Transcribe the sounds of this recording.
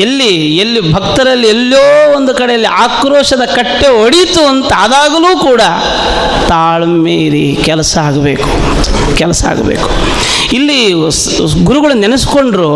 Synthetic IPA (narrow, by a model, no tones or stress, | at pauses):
elːi | elːibʱɐkt̪ɐɾɐlːielːoːond̪ukɐɽejɐlːiʔaːkɾoːʂɐd̪ɐkɐʈːeoɽit̪uɐnt̪ɐːd̪aːɡɐluːkuːɽɐ | t̪aːɭɐmeːɾi | kɛlɐsɐaːɡɐbḛːku̥ | kɛlɐsɐa̰ːɡɐbḛːku̥ | ilːi | ɡuɾuɡɐɭunɛnɐsko̞ɳɖɾu